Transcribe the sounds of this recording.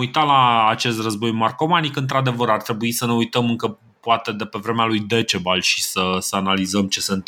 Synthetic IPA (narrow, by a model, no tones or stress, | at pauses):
ujt̪alaːt͡ʃe̞st̪rəzbo̞jmarko̞manikɨnt̪ɾad̪e̞vəɾart̪ɾe̞buisəne̞ujt̪əmɨŋkə | poat̪e̞d̪e̞pe̞vɾe̞mealujd̪e̞t͡ʃe̞balʃisəsəanalizəmt͡ʃe̞sent̪